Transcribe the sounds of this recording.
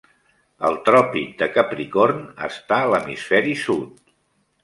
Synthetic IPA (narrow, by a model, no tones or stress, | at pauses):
əlˠt̪ɾɔpid̪əkəpɾikornə̰st̪aələmisfɛɾisut̪̚